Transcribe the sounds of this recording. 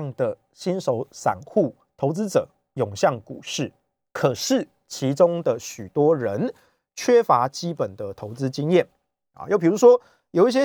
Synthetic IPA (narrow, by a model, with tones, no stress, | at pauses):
ŋd̪ə˨ | ɕi˦nʂo˧˥ʊsa̰˨˩nxu˥˩ | t̪ʰo˧˥ʊt͡sɹ̩˦ʈ͡ʂɤ̰˨˩˦ | jʊ˨˩ŋɕjɑ˥˩ŋkṵ˨˩ʂɻ̩˥˩ | kʰə˨˩ʂɻ̩˥˩ | t͡ɕʰi˧˦ʈ͡ʂʊ˥ŋd̪ə˨ɕy˨˩t̪wɔ˥ɻə˧˦n | t͡ɕʰɥɛ˥fa˧˥t͡ɕi˦˥pə˨˩nd̪ə˨t̪ʰo˧˥ʊt͡sɹ̩˦t͡ɕi˥ŋjɛ˥˩n | ɐ̰˨jo˥˩ʊpʰi˨˩u˧˥ʂwɔ˥ | jo˨˩ʊi˥˩ɕ̬jɛ˦˥